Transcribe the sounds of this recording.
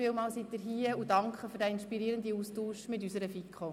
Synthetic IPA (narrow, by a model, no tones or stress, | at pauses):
ɪːlmɑːlsit̚əɾɦiəudɑŋkχəfyɾdɛɪnʃpiɾiəɾəndiustuːʃmɪtysəɾəfikʰχo